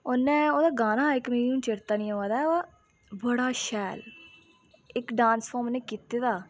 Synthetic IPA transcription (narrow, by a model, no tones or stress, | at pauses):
onẽːoːd̪aːɡaːnaːɪkmeːinũːt͡ʃeɾt̪aːnĩːoːaːd̪a | bəɽaːʃɛːl | ɪkɖãːnsfʰoːmneːkiːt̪eːd̪aː